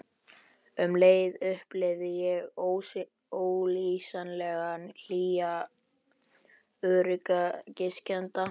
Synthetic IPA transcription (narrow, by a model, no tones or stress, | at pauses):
ʏmleːjðʏhplɪðɪjɛɣow | oːwlisanlɛɣanl̥iːa | œɾɪkacɪscɛnt̪a